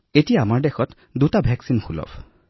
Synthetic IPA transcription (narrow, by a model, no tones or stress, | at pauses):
etijaːmaɹdexɔt | dutabʱɛksinxulɔ̰bʰ